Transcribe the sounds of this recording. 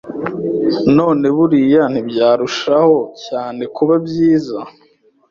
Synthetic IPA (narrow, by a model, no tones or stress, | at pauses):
no̞ːne̞βuɾijan̥hibjaːɾuʃaho̞caːne̞kuβabɟiːza